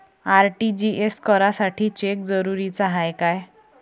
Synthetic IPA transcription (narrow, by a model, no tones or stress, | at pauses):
aɾʈid͡ʑiʔeskəɾasaʈʰiːt͡ɕek̚d͡zəɾuɾit͡saɦajkaj